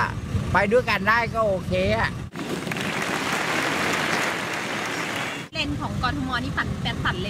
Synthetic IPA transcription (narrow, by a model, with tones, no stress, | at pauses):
pa˧jdu˥˩˨jka˧ndaː˥˩jkɔː˥˩ʔoː˧kʰeː˧a˨˩ʔ | leː˧nkʰɔː˩˦ŋkɔː˧nt̪ʰu˧mɔː˧niː˦˥pa˨˩t̪̚pɛ˦˥˩t̚sa˨˩t̪̚le˧